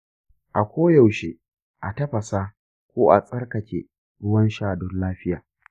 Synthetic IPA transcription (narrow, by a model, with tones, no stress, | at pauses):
ʔa˨kʷoː˦jɐ˨wʃe˨ | ʔa˨tɐ˦ɸɐ˨sa˦ | kʷoː˦ʔa̰˨sʼɐ˦rkɐ˨kʲḛ˨ | ɽʊ˦wɐ˦nʃaː˦˨dɔ˦nlaː˦ɸɪ˦jaː˨